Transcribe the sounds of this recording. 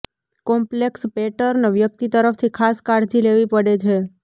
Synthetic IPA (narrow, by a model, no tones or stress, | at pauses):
kɔmplekspeʈəɾnʋjək̚t̪it̪əɾəfʰt̪ʰikʰaskaɽt̪ʰileʋipəɽet͡ʃʰe